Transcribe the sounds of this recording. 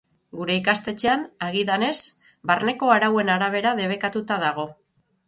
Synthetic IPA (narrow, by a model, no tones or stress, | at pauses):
ɡuɾe̞ikast̪e̞t͡ʃe̞anaɣ̞iðane̞s | barne̞ko̞aɾawe̞naɾaβ̞e̞ɾaðe̞β̞e̞kat̪ut̪aðaɣ̞o̞